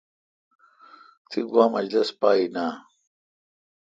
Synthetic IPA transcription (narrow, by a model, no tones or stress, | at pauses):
t̪ʰiɡwaːmɐd͡ʑlɐspaːina